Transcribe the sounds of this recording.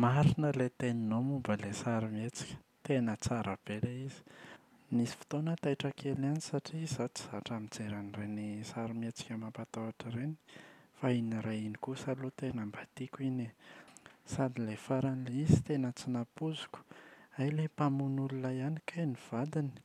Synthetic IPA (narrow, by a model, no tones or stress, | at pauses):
maɾinəlet̪eninomumbəlesaɾimet͡si̥kʲə̥ | t̪enət͡saɾab̥eleizi̥ | nisi̥fi̥t̪onət̪ajʈ͡ʂəkʰelanisaʈ͡ʂizat͡si̥z̥aʈ͡ʂamid͡zeɾanirenisaɾimet͡si̥kʲəmapat̪aaʈ͡ʂəɾeni̥fainiɾainikusalot̪enambat̪ikʲine | sad̪ilefaɾanileizi̥t̪enət͡sinapuzu̥kʲu̥ajlepamunululajanikʰajniv̥ad̪ini̥